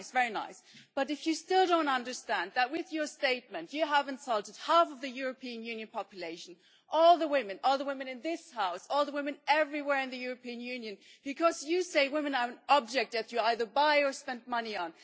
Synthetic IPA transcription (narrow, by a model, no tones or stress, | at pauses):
ɪsvɛɹina̰ɪsb̥ʌɾɨfjɨstɪlˠdõʊ̃ntʌ̃ndə˞stæ̃nðət̚wɪðjə˞steɪt̚mɨ̃ntjɨəvɨ̃nsʌlˠtɨd̚hæfʌvðɨjʊɹɨpʰiɨ̃njʉ̃njɨ̃npʰɑpjɨleɪʃn̩ | ʔɔlˠðəwɪ̃mɨ̃nɔlˠðəwɪ̃mɨ̃nɨ̃nðɪshaʊsɔlˠðəwɪ̃mɨ̃nɛvɹiwɛɹɨ̃nðɨjʊɹɨpĩɨ̃njʉ̃njɨ̃nb̥ɨkʰʌzjɨseɪwɪ̃mɨ̃nə˞ɨ̃nɑb̚d͡ʒɛk̚tɨt͡ʃɨaɪðə˞baɪə˞spɛ̃ndmʌniə̃n